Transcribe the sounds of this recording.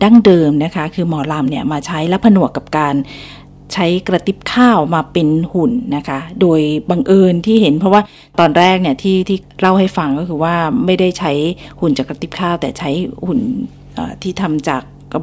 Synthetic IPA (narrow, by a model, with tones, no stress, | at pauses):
da˥˩ŋdɤː˧mna˦˥kʰa˦˥kʰɯː˧mɔː˩˦la˧mni˥˩ɐmaː˧t͡ɕʰa˦˥jlɛː˦˥wpʰa˧nu˨˩əkːa˨˩p̚kaː˧n | t͡ɕʰa˦˥jkɾa˧t̪i˦˥p̚kʰaː˥˩wmaː˧pe˧nhu˨˩nːa˦˥kʰa˦˥doː˧jba˧ŋʔɤː˧nt̪ʰiː˥˩he˩˦npʰɔ˦˥waː˥˩ | t̪ɔː˧nɾɛː˥˩k̚ni˥˩ɐt̪ʰiː˥˩t̪ʰiː˥˩ɾa˥˩wha˥˩jfa˧ŋkɔː˥˩kʰɯː˧waː˥˩ma˥˩jda˥˩jt͡ɕʰa˦˥jhu˨˩nt͡ɕaː˨˩kɾa˧t̪i˦˥p̚kʰaː˥˩wt̪ɛː˨˩t͡ɕʰa˦˥jhu˨˩n | ʔa̰ː˨˩t̪ʰiː˥˩t̪ʰa˧mt͡ɕaː˨˩k̚